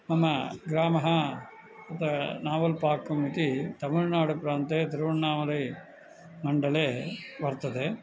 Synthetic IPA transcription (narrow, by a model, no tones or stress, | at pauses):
mɐmɐɡɾaːmɐɦɐ | ɐt̪ɐnaːʋɐlpaːkːumːit̪it̪ɐmuɻnaːɽupɾaːnt̪eːt̪iɾʋɐɳnaːʋɐlɐj | mɐɳɖɐleːʋɐɾt̪ɐd̪e